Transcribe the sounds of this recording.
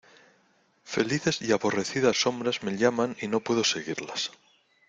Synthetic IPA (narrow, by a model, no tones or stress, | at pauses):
fe̞̰liθe̞siaβo̞re̞θiðasːo̞mbɾazme̞ʎamanino̞pwe̞ð̞oseɣiɾlas